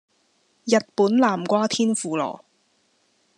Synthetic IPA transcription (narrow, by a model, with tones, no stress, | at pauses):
jɐ˨t̚puː˨˥nlaː˨˩mkʷaː˥t̪ʰiː˥nfuː˨lɔ̰ː˨˩